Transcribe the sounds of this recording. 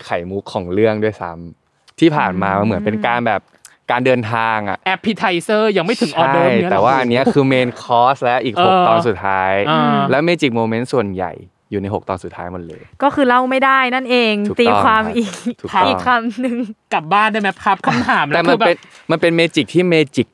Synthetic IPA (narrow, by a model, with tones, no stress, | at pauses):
kʰa˨˩˦jmu˦˥kʰːɔː˩˦ŋɾɯ˥˩əŋdu˥˩əjsa̰˦˥m | t̪ʰiː˥˩pʰaː˨˩nmaː˧ma˧nmɯ˩˦ə˦npe˧nkaː˧nbɛː˨˩p̚ | kaː˧ndɤː˧nt̪ʰaː˧ŋʔa̰˨˩ʔʔɛ˦˥pʰːi˧t̪ʰa˧jsɤː˥˩ja˧ŋma˥˩jt̪ʰɯ˩˦ŋʔɔː˧a˥dɤː˩˥˩jt̪ɛː˨˩waː˥˩ʔa˧nːi˦˥ɐkʰɯː˧meː˧nkʰɔː˦˥lɛ˦˥wʔiː˨˩khoː˨˩˧t̪ɔː˧nsu˨˩t̪ʰːa̰ː˦˥jɤː˧lɛː˦˥wmeː˧t͡ɕi˨˩k̚moː˧me˦˥ntsu˨˩ənja̰˨˩jː | uː˨˩na˧jɦo˨˩k̚t̪ɔː˧nsu˨˩t̪ʰːaː˦jmo˨˩t̚lɤ̰ː˧jkɔː˥˩kʰɯː˧la˥˩wma˥˩jda˥˩jna˥˩nʔeː˧ŋʰuː˨˩t̪iː˧˥kʰwaː˧mʔiː˨˩k̚t̪ʰuː˨˩˦ʔiː˨˥kʰa˧˥˩mnɯ˨ŋka˨˩p̚baː˥˩˨nda˥˩jmɛ˦˥pkʰa˦˥p̚kʰa˩˥˩mt̪ʰaː˩˦mlɛ˦˨˩ma˧˥nbe˧n | ma˧npe˧nmeː˧t͡ɕi˨˩k̚t̪ʰiː˥˩meː˧t͡ɕi˨˩k̚